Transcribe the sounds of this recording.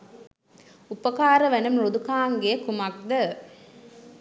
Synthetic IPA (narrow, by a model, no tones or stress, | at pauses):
upɐkaːɾɐʋænɐmɾod̪ukaːŋɡeːkumɐk̚d̪ə